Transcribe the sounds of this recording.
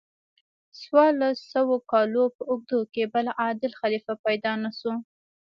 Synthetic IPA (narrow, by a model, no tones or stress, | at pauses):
swɑɾlasawokɑlopəʊɡ̚d̪okebalaʔɑd̪ɪlxalifapajd̪ɑnasu